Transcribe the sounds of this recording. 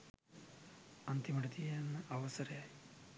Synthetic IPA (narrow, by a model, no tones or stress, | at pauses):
ɐnt̪imɐɽɐd̪iɐnːɐʔɐʋɐsɐɾ